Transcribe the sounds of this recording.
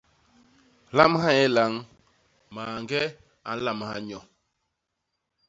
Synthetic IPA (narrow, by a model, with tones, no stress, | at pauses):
la˦mha˦ɛ˦la˨˦ŋ | maː˨ŋɡɛ˦ | a̰˨n˦la˦mha˦ɲɔ˨